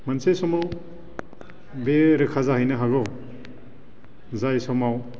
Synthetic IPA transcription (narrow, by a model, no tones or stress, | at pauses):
mɐnsesɔmaw | beɾɯkʰazaɦɯjnɐɦaɡɔ | zajsɔmaw